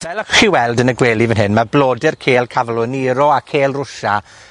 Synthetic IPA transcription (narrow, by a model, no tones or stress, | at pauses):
vɛlˠəχiwɛlˠdənəɡweːlˠivənɦɪnmabloːdɪrkʰeːlˠkʰavlˠɔniɾɔakʰeːlˠrʊʃa